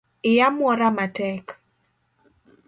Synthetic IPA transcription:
ɪjamwɔɾamatɛk

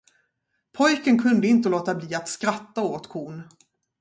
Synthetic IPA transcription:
pʰɔjkənkʰɵnd̪əɪnt̪̬əloːt̪abliːat̪skɾat̪ːaoːt̪kʰuːn

